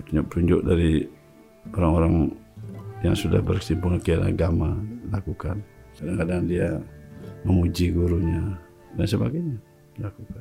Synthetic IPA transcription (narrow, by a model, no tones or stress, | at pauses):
t̪uɲd͡ʒʊʔpət̪uɲd͡ʒʊʔ̚daɾi | oɾaŋoɾaŋ | jaŋsuda̰hbərsimpuŋakiana̰ɡamalakukansadaŋkadaŋdia | məmud͡ʒiɡuɾuɲa | dansəba̰ɡajɲa | lakukan